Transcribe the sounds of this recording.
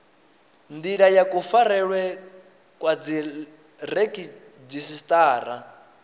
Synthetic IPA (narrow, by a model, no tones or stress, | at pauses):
nd̪iɺajakʼufaɾɛɺwɛ | kʼwad͡zi | rekʼi | d͡zisistʼaːɾa